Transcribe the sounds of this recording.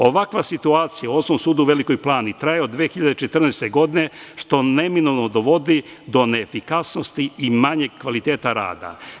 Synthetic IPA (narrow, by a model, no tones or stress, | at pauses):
o̞ʋakʋasit̪uaːt̪sijao̞somsuːd̪uʋe̞liko̞jplˠaːnit̪ɾajeod̪ːʋeexiʎad̪et͡ʃet̪r̩nest̪e̞ɡo̞d̪ine̞ʃt̪o̞ne̞minolnod̪oʋo̞d̪id̪o̞neːfikasno̞st̪iːmaɲeɡ̚kʋalit̪e̞ːt̪aɾa̰ːd̪a̰